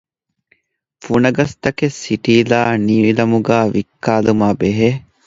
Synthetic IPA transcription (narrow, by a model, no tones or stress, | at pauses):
funɐɡɐst̪ɐkesːiʈiːlaːniːilɐmuɡaːʋikːaːlumaːbeɦe